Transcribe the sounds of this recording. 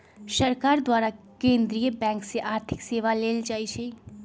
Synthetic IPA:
səɾkaːɾd̪waːɾa | kẽːnd̪ɾijəbɛ̃ːŋkseʔaːɾt̪ʰɪkseːʋaleːld͡ʒaːit͡ʃʰɛ

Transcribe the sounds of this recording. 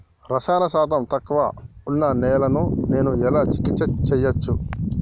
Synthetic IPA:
ɾɐsaːnɐsaːt̪ɐmt̪ɐkʋɐ̰unːɐnɛːlɐnune̞ːnuɛlaːt͡ʃi̥kit͡ʃːɐt͡ʃɛjːɐt͡ʃːu

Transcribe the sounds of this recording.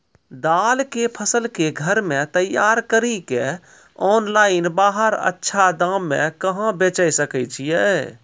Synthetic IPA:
d̪alkepʰəsəlkeɡʱəɾmet̪əjːaɾkəɾike | ɔnlaɪnbaːɦəɾə̰tːʃʰad̪ãmːḛ̃kəɦãbet͡ʃəjsəkɛt͡ʃʰijɛ

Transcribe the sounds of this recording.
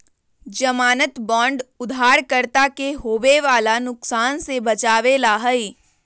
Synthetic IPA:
d͡ʒɐmaːnət̪bɔ̃ːɳɖʊd̪ʱaːɽkəɾt̪akeɦoːʋeʋaːlanʊksaːnsebɐt͡ʃaːʋelaɦəi

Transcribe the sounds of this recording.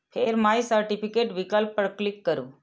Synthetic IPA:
pʰeɾmaisəɾʈipikeʈʋikalpəɽklikːəɾṵ̃

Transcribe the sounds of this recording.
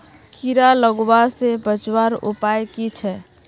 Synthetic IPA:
kiɾaləɡbasebət͡ʃwaɾṵpajkit͡ʃʰɛ

